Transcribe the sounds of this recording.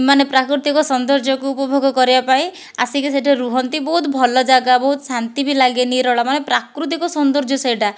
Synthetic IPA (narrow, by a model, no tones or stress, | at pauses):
manepɾakɾut̪ikɔsɔnd̪ɔɾd͡ʒɔkuupɔbʱɔɡʱɔkɔɾibapaĩ | a̰sikiseʈʰeɾuɦɔnt̪ibɔɦut̪bʱɔlɔd͡ʒaɡabɔɦut̪ɔsant̪ibilaɡeniɾɔɭamanepɾakɾut̪̬ikɔsɔnd̪ɔɾd͡ʒɔsejʈa